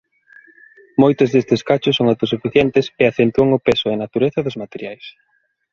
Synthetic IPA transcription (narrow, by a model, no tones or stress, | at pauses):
mojt̪ozðest̪eskat͡ʃʊsːoŋawt̪osufiθjɛnt̪ɪseaθent̪uɐŋʊpesʊenat̪uɾeθɐðʊzmat̪eɾjajs